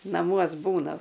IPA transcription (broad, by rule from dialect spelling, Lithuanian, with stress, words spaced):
nɐˈmuɔs ˈbuːnɐm